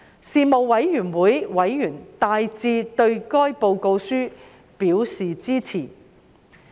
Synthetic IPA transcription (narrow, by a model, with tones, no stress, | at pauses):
siː˧mo˨wwɐ˨˧˥jːyː˨˩nwuː˨˥jwɐ˨˥jːyː˨˩nt̪aː˧jt͡siː˧t̪ɵ˧ɥkɔː˥jpo˧wko˧wsyː˥ | piː˨˥wsiː˨˩t͡siː˥t͡sʰiː˨˩